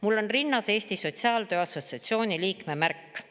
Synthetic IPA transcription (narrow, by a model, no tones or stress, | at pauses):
mulːo̞nrinːɑse̞ːst̪iso̞t̪ʲsiɑːld̪øːɑso̞t̪ʲsiɑt̪sio̞ːnʲiliːkme̞mærkː